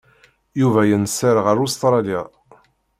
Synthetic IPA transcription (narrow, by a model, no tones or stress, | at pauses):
juvæjənsəɾʁəɾust̪ɾˤɑla